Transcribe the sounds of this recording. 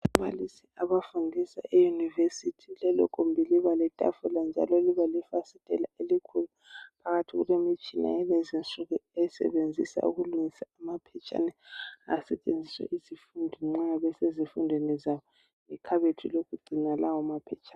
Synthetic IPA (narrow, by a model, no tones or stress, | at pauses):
aβalisiaβafundʱisa̰ʔɛjunivesitʰilɛlɔ̰kʰumbʱiliβalɛtʼa̰fuland͡ʒʱa̰lɔliβalifasitʼɛla̰elikʰulu | pʰaɣatʰiɣulemit͡ʃʼina̰ɛlezinsʼuɣuɛsɛ̰βend͡zʱisa̰ṵɣuluŋisaːmapʰɛt͡ʃʼa̰nɛasɛt͡ʃʼend͡zʱiswɛ̰ʔizifundʱiŋ͡ǁaβɛsezifundʱwenizaβɔ | ikʰaβetʰilokʰuɡ͡ǀʱinalawɔmapʰɛt͡ʃʰʼaːn